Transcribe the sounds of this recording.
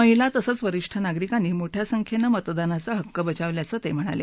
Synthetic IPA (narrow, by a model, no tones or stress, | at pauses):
məɦilat̪əsət͡sʋəɾiʂʈʰənaɡɾikanːiːmoʈʰjasəŋkʰjenəmət̪d̪anat͡səɦəkːəbət͡ɕaʋljat͡səːt̪em̤əɽ̃a̰le